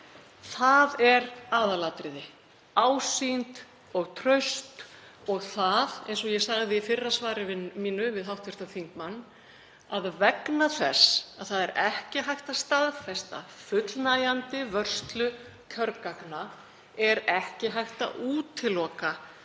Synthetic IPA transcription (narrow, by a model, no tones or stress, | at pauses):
θaðɛɾaːðalaːt̪ɾɪðɪ | aːwsint̪ | ɔɣt̪ʰɾœɥst̪ | ɔɣθaðḛjns̬ɔjɛɣsaɣðɪifɪrːasvaːɾɪvmiːnʏvɪðɦawht̪vɛst̪aθiŋkmanː | aðvɛknaθɛsaðθaðɛɾʔɛhcɪɦajht̪ast̪aðfɛst̪a̰fʏt̪lnaːjant̪ɪvœr̥st̪lʏ | cʰœɾkakna | ɛɾɛhcɪɦajht̪a̰ʔuːt̪ʰɪlɔːka